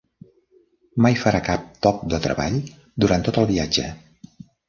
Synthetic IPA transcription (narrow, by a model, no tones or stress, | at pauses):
majfəɾakap̚t̪ɔk̚d̪ət̪ɾə̰βa̰ʎ | d̪uɾant̪ot̪əlˠβiad͡ʒə̰